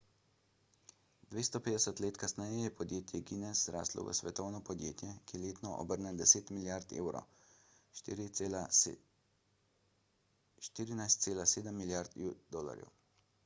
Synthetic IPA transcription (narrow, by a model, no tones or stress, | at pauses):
d̪ʋeːst̪ɔpeːd̪ɛsət̪leːt̪kasnɛjɛjɛpʰɔd̪jeːt̪jɛɡinɛzɾa̰ːslɔ̰ʋə̰sʋɛt̪ɔwnɔpɔd̪jḛːt̪jɛkijɛleːt̪nɔʔɔ̰bəɾnɛd̪ɛseːt̪miljaɾt̪ḛːwɾɔ̰ | ʃt̪iːɾinajst̪seːlaseːd̪əmːiljaɾt̪d̪oːla̰ɾjɛ̰w